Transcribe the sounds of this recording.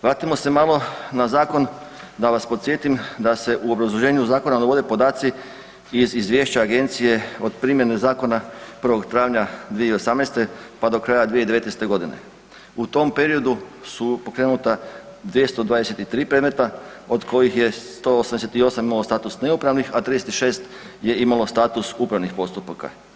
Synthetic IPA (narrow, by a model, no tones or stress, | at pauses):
ʋɾaːt̪imo̞se̞malˠo̞nazaːko̞n | d̪aʋaspot̪sje̞t̪imd̪ase̞ʔuobɾazlˠoʒe̞ːɲuzaːko̞nanoʋo̞d̪epo̞d̪aːt̪si | izizʋje̞ːʃt͡ɕaːɡe̞nt̪sije̞o̞d̪pɾimje̞ne̞zaːko̞napr̩ʋo̞ɡt̪ɾaːʋɲad̪ʋijeio̞samnejst̪epad̪o̞kɾaːjad̪ʋied̪eet̪nest̪eɡo̞d̪ine̞̰ | ut̪o̞mpe̞ɾio̞d̪usupo̞kɾe̞ːnut̪a | d̪ʋje̞st̪o̞d̪ʋaːd̪eset̪it̪ɾiːpɾed̪me̞t̪a | o̞d̪kʰo̞jixje̞st̪oosamd̪eset̪io̞samimalost̪aːt̪usne̞upɾaʋnixat̪ɾid̪eset̪iʃe̞ːst̪ | je̞imalo̞st̪aːt̪usupɾaʋnixpo̞st̪upaka̰